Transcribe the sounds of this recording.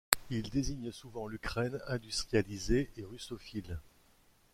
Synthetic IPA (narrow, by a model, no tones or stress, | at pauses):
ild̪eziɲsuvɑ̃lykχɛnɛ̃d̪yst̪χijalizeʔeʁysofil